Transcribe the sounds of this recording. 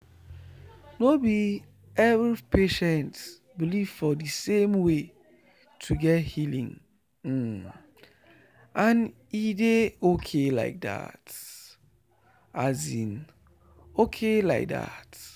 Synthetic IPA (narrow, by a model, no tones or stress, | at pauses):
nobi | ɛvɹipʰeʃɛ̃nt | biliv̥fɔdɨsẽmwe | tʰuɡɛthilḭ̃ŋ̩ | ʔãn | ideokʰela̰ɪk̚da̰t | azḭ̃n | okʰela̰ɪk̚da̰t